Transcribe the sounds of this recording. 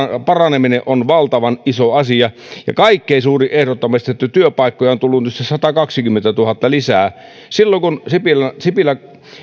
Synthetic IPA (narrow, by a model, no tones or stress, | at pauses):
pɑrɑnemineʔonʋɑlt̪ɑʋɑnʔisoɑsiɑ | jɑ̰kɑikːeˑisuːriʔʔehɾot̪ːɑmist̪et̪ːæt̪yøpɑˑikːojɑont̪ulːunyst̪æssɑt̪ɑkɑksikymːent̪æt̪uhɑt̪ːɑlisæː | silːoŋkunsipilsipilæ